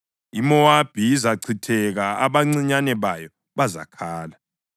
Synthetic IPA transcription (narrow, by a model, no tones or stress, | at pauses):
imɔwab̥ʱiːzaǀʰitʰɛɣaaβaŋ͡ǀiɲanɛβajɔ | βaza̰kʰaːla